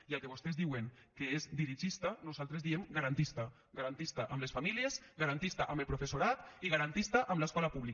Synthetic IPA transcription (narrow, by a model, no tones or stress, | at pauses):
ialˠkeβost̪ezðiweŋkeezd̪iɾiʒist̪anuzalˠt̪ɾezðiemɡaɾant̪ist̪a | ɡaɾant̪ist̪aʔamlesfamiliezɣaɾant̪ist̪aʔamelpɾufesuɾat̪iɣaɾant̪ist̪aʔamlaskɔlapuβli